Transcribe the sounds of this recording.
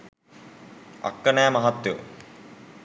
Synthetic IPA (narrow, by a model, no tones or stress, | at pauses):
ɐ̰kːənæːmɐɦat̪ːjo̰